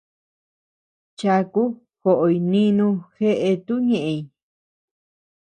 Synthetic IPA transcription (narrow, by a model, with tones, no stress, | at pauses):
t͡ʃa˧ku˦ | xo˨ʔo˧i˧nĩ˧nũ˧xe˦ʔe˧t̪u˦ɲẽ˨ʔẽ˧˨i˧˨